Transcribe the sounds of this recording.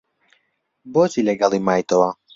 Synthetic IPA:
bɔzilʲɛɡalˠimajt̪ɔva

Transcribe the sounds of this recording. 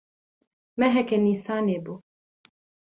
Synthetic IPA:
mɛɦɛkɛnisanebo

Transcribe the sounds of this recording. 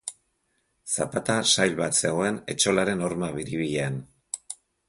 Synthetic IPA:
sapat̪asajlβat̪se̞ɣo̞e̞ne̞̰t͡ʃo̞laɾe̞no̞ɾmaβiɾiβiʎe̞an

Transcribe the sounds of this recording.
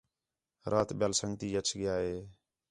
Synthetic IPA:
ɾʔaːt̪ɓɪjaːlsəŋɡt̪iːət͡ʃʰɠɪjaːɦeː

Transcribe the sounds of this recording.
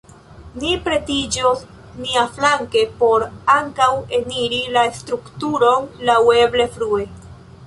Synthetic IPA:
nipɾe̞tid͡ʒo | niaflaŋke̞po̞ɾaŋkawe̞niɾilastɾuktuɾo̞nlawe̞ble̞fɾue̞

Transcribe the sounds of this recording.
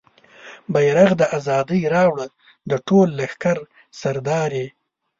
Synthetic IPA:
bajɾaɣd̪əʔazɑd̪əjɾɑwɽə | d̪əʈolːaxkaɾ | saɾd̪ɑːɾe

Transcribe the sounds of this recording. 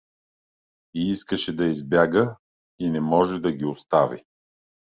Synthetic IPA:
iiskəʃɛd̪ɐizbjaɡə | inɛmɔʒɛd̪ɐɡʲiost̪avḭ

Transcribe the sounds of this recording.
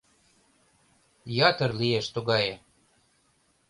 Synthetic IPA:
jɑt̪ɤrlieʃt̪uɣɑje

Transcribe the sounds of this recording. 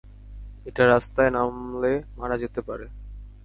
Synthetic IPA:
eʈaɾast̪aenamlemanad͡ʑet̪epaɾe

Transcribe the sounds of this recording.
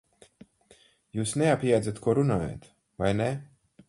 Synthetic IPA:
juːsneapʲaːd̪zʲat̪kuɔɾunaːja̰t̪ | vajnɛ

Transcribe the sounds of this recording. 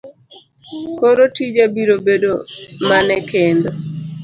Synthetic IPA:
koɾotid͡ʒabiɾobedomanɛkendo

